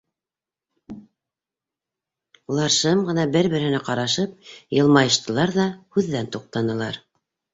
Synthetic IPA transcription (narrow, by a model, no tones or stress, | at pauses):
lˠɑɾʃɤmɢɤ̆nɑbɘɾβɘ̆ɾhɘ̆næqɑɾɑʃɤp̚jɤ̆lˠmɑjɤ̆ʃt̪ɤ̆lˠɑɾðɑhʉðːænt̪uq̚t̪ɑnɤ̆lˠɑ̰ɾ